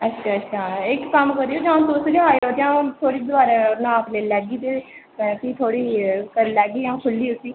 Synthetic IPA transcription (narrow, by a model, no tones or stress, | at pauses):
ətːʃʰaːətːʃʰaːɪkkəmkəɾioːd͡ʒãːt̪osd͡ʒəɦaːioːt̪eãːt̪ʰoːɽiːd̪ʊaːɾenãːpleːlɛːɡiːt̪eː | kiːt̪ʰoːɽiːkəɾlɛːɡiːãːkʰʊlːiːʊsiː